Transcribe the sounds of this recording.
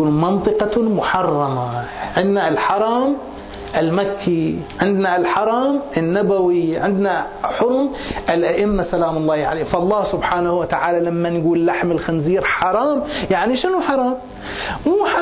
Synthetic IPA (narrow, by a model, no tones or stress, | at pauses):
uːnmɑnt̪ˤɨqɑmʊħɑrˤːɑma | ʕɪnd̪nalħɑɾˤɑːm | ʔɪlmakʰːi | ʕɪnd̪nalħɑɾˤɑːmʔɪnːabawiʕɪnd̪na | ħʊɾmʔɪlʔaʔɪmːasalaːmʊlˤːɑːhʕa̰leːfʔɑlˤːɑːhsʊbħaːnahwat̪aʕaːlalamːanɡuːllːaħmɪlxanziːɾħɑɾˤɑːmjaʕniʃɪnuħɑɾˤɑːm | muːħ